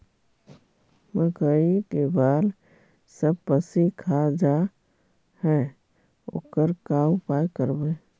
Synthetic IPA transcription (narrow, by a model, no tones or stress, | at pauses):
məkəikebaːl | səb̚pəsikʰad͡ʒa | hɛ | o̰ːkəɾkaʊpajkəɾbe